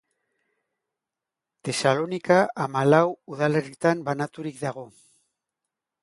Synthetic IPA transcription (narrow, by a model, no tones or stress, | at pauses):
t̪e̞salo̞nikaamalawuðale̞rit̪ambanat̪uɾikd̪aɣ̞o̞